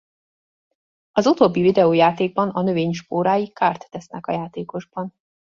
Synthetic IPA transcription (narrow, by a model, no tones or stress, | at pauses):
ɒzut̪oːbːivid̪ɛoːjaːt̪eːɡ̚bɒnɒnø̞veːɲʃpoːɾaːjikaːrt̪ːɛsnɛkɒ̰jaːt̪eːko̞ʒbɒn